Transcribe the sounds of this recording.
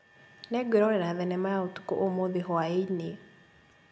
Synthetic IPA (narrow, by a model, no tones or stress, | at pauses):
nɛɡɾɔɾɛnaðɛnɛmaaotu̥ko̰ʔomoðiɦɔaeni